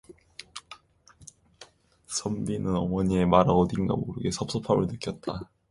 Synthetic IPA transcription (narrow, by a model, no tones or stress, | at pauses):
sʰʌmbinɯnʌmʌɲie̞maɾaɡotiŋɡa̰moɾɯɡe̞sʰʌp̚s͈ʰʌpʰabɯɭnɯk͈jʌt̚t͈a